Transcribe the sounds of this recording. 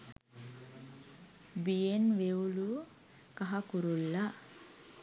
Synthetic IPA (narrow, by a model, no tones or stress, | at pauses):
bijenʋeulu | kɐɦakuɾulːa